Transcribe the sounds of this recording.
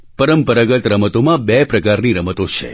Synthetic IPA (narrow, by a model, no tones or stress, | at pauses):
pəɾəmpəɾaɡət̪ɾəmət̪omãbepɾəkaɾniɾəmət̪ot͡ʃʰḛ